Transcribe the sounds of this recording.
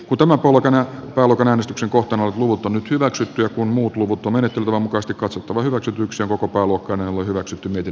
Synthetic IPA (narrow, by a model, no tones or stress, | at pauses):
kunt̪æmæmpolkɑnæpæːluokɑnæːnest̪ykseŋkoht̪ɑnolet̪luʋut̪ːˑonnyt̪hyʋæksyt̪ːyjɑkunmuːt̪luʋut̪ːˑomenet̪ːelt̪æʋɑmukɑest̪ikɑt̪sot̪ːɑʋɑhyʋæksyt̪ːˑyyksioŋkokopæːluokːɑinenolːohyʋæksyt̪ːymiet̪in